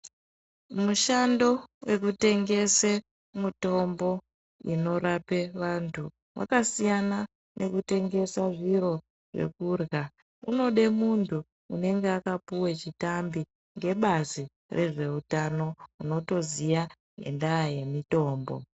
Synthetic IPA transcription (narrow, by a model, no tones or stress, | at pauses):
muʃando̞we̞kute̞ŋɡe̞se | muto̞mbo̞ | ino̞ɾape̞ʋantʰu | wʔa̰kasijana | nʔe̞kute̞ŋɡe̞saʐiɾo̞ | ʐe̞̰kuːrɣa | uno̞ɗe̞muntʰuː | ne̞ŋɡeakapuwet͡ʃitambi | ŋɡe̞ɓazi | rʔe̞ʐe̞utano̞uno̞to̞zija | ne̞̰ndaje̞mito̞ːmbo̞̰